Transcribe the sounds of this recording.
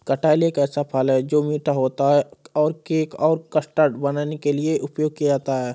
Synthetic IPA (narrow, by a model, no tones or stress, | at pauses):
kɐʈaːɪleːkɛːsapʰəlɦɛːd͡ʒoːmiːʈaɦoːt̪aɦɛɔːɾkeːkɔːɾkəsʈəɾʈbɐnaːnekelieʔʊpjoːɡ̚kijat̪aɦɛː